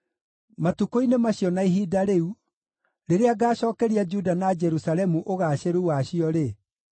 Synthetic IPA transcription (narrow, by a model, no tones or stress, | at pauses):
matukoinemaɕjɔnaiɦiːdaɾeu | ɾeɾeaɡaːɕɔːkɛɾiad͡ʒudanad͡ʒɛɾusalɛmuʔoɣaːɕeɾouwaɕiɔɾe